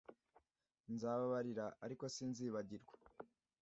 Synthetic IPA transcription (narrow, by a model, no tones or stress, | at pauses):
nzaːβaβaɾiɾaaɾiko̞sinziːβaɟiɾɡwḁ